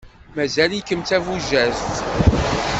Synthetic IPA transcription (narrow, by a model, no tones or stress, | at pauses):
mæzælikəmt̪ævuzæzt̪